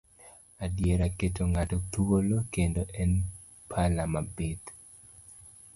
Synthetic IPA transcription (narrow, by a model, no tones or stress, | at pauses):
adjeɾaketoŋatot̪uolokendoʔɛn | pʰalamabit̪